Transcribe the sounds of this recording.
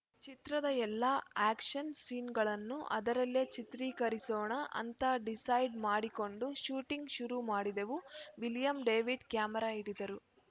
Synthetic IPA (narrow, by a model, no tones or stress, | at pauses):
t͡ʃit̪ɾɐd̪ɐɛlːɐaːkʂɐnsiːnɡɐɭɐnːuʔɐ̰d̪ɐɾɐlːet͡ʃit̪ɾiːkɐɾisoːɳɐʔɐ̰nt̪ɐɖisɐjɖmaːɽiko̞ɳɖuʃuːʈiŋɡʃuɾumaːɽid̪eʋuʋiljɐmɖe̞ːʋiɖkjaːmɐɾaːiɽid̪ɐɾu